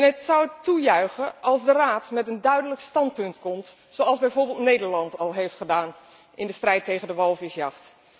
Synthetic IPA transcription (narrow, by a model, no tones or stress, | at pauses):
nətsɑwətujœɥχəʔɑlˠzdəraːtmɛtəndœɥdələkstɑnt̚pɵntkɔmt | sowɑlˠzbɛjvoːɹbɪlˠtnejdəɹlɑntɑlˠɦejftχədaːn | ʔɪndəstrɛjtejχəndəʋɑlˠfɪsjɑχt